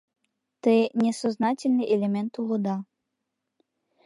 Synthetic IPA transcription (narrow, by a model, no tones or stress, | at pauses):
t̪əjnʲesoznɑtʲilʲnɨjʔelʲemʲɛnt̪ulod̪ɑ